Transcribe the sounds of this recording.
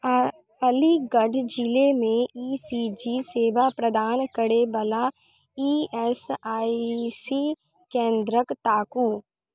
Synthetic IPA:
əliɡəɖʱd͡ʒilemẽiːsid͡ʒiseːʋapɾəd̪aːnkəɽebəla | iːɛsaːisi | kẽːnd̪ɾəkt̪aːkuː

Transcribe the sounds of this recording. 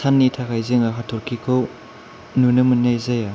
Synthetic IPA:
sʰanːitʰakʰajzɯŋaɦatʰɔɾkʰikʰow | nunɯmunːajzaja

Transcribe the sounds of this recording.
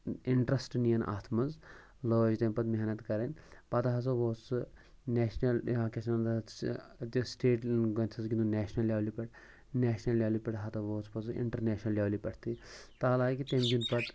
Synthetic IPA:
iɳʈɾɐsʈnijɐnʔa̰ːt̪ʰmɐz | loːd͡ʒt̪empɐt̪meɦnɐt̪kɐɾenʲpɐt̪ɐɦɐt͡sɐʋoːt͡st͡sɨ | neːʃnɐlakeʃɐnɐnd̪ | t̪isʈeːʈɡɐnʲt̪ʰɐzɡʲinuneːʃnɐljaːʋlipɐʈ | neːʃnɐlːjaːlipɐʈɦɐt̪ɐʋoːt͡sʰpɐt͡sḭɳʈɐɾneːʃnɐlːjaːwlipɐʈʰt̪it̪aːlaːkit̪emɡʲinpɐt̪

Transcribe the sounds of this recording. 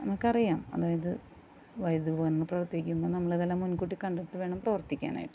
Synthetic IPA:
nɐmːɐɭkɐrijaːmɐ̰ðaːjɐðɨ | ʋɐjd̪uboːnɐnːɨprɐʋɐrt̪ikʲːumboːnɐmːɐɭeðelːaːmːunkuʈːikɐɳɖeʈːɨʋe̞ːɳɐmprɐʋɐrt̪ikʲːa̰ːna̰ːjiʈːɨ̥

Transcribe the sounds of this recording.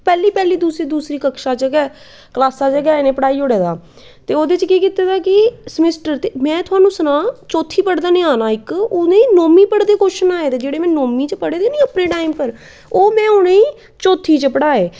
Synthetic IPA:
pɛːliːpɛːliːd̪uːsɾiːd̪uːsɾiːkəkʃaːt͡ʃəɡɛː | klaːsaːt͡ʃəɡaːenẽːpəɽaːiːoɽeːd̪aː | t̪eːoːd̪eːt͡ʃkiːkɪt̪eːd̪aːkɪsəmɪsʈəɾt̪eːmɛ̃ːt̪ʊɦaːnũːsənãːt͡ʃoːt̪ʰiːpəɽd̪aːnẽːaːnaːɪkoːneːiːnoːmiːpəɽd̪eːkoʃənaːeːd̪eːd͡ʒeːɽeːmɛ̃ːnoːmiːt͡ʃəpəɽeːd̪enĩːəpnẽːʈaːɪmpəɾ | oːmɛ̃ːoneːĩː | t͡ʃoːt̪ʰːiːt͡ʃəpəɽaːeː

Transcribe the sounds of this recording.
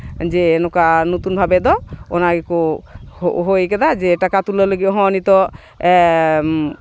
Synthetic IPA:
d͡ʒɛnɔkanɔt̪unbʱabɛd̪ɔɔnaɡɛkɔ | ɦojkɛd̪ad͡ʒɛʈakat̪ulɔləɡiɔɦɔ̃ɔnit̪ɔ

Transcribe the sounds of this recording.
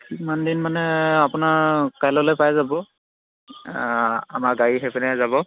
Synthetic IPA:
kimandinmanɛapʊnaɹkajlɔlojpajzabɔ | a̰maɹɡaɹixepɛnɛzabɔ

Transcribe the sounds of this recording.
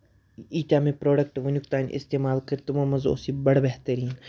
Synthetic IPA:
iːʈaːmẽpɾoːɖək̚ʈʋʊnʊkt̪aːnʔɪ̰st̪eːmaːlkəɾt̪ʊmõmɐzo̰sibɐɽbɛɦt̪əɾiːn

